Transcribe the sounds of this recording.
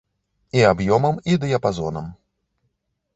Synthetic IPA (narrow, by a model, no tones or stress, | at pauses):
iabjɔmɐmid̪ɨjɐpazɔnɐ̰m